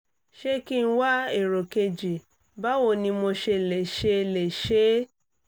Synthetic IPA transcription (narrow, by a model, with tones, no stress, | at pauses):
ʃe˧ki˦˧˦wa˦e˦˨ɾo˨ke˧d͡ʒi˨ | ba˦wo˦˨nĩ˧mo˧ʃe˧˨lɛ˨ʃe˧le˨ʃe˨˦